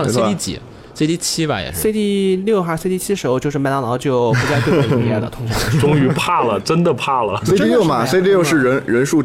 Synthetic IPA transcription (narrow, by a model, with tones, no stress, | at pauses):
e˥˧t̪i˥˩t͡ɕḭ˨˩˦ | sɪt̪i˥˩t͡ɕʰi˥ba̰˧˩jɛ̰˨˩ʂse˥˧ɪt̪i˥˧ljo˥˩ʊxa˧˥se˥˧t̪i˥˩t͡ɕʰi˥ʂɻ̩˧˥o˥˧ʊt͡ɕjʂɻ̩˥˩m˧˥t̪ɑ˥ŋnɑ˧˥ʊt͡ɕjo˥˩ʊpu˧˥t͡sa˥˧ɪe˥˧˥ɛ˥˩d̪ə̰˩t̪ʰʊ˥ŋɕɑ˥˩˥ʈ͡ʂʊ˥ŋy˧˥pʰa˥˩lə˩ʈ͡ʂə˥nd̪ə˨pʰa˥˩lə̰˩si˥ljo˥˩mɐ˨˧se˥ɪt̪i˥˧ljʊʂɻ̩˥˩ɻə˧˥nɻə˧˥nʂu˥˩